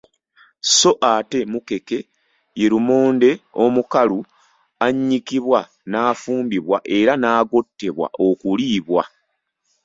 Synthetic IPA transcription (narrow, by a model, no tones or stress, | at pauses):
so̞ʔate̞muke̞ke̞ | jeɾumo̞ːnde̞o̞mukalu | aɲːikiβwa | naːfuːmbiβwaʔe̞ɾanaːɡo̞tːe̞βwa̰ʔo̞kuliːβwa